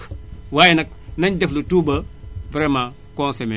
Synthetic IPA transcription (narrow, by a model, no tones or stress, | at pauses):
waːjɛnɐk̚ | nɐɲdɛflutuːbɐbɾɛːma | kɔnseme